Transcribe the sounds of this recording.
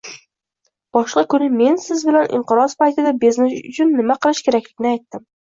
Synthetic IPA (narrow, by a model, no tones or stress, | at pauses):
b̥ɒʃqɑkʰʊnɪme̞nsɪzbɪlanʔɪ̰ɴqɨɾɒspajt̪ʰɪd̪abeznɪsʊʊ̰t͡ʃʰʊnːɪmaqʰɨlˠɪʃkʲʰeɾakʲlɪɡʲɪnɪajt̪ːɪm